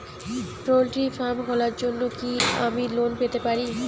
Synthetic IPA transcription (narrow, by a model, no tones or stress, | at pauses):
ʈɾolʈifamɦolaɾd͡ʑonːokiamilonpet̪epaɾi